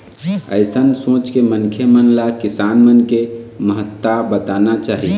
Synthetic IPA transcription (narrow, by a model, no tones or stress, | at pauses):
ə̰ɪsənsõːt͡ʃkemənkʰjemənlakisanmənkeməɦət̪ːabət̪anat͡ʃaːɦi